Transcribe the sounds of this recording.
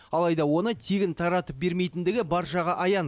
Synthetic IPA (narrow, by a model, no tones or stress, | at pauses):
ɑlˠɑjd̪ɑwo̞nət̪ʰeɡʲɪnt̪ʰɑɾɑt̪əp̚be̞ɾmejt̪ɪnd̪ɪɡʲɪbɑɾʃɑʁɑʔɑjɑn